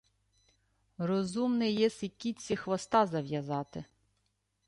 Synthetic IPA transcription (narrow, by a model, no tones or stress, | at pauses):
rɔzumnɪjɛsɪkʲːit͡sʲːixʋɐst̪ɑzɐʋjɐzɑt̪ɪ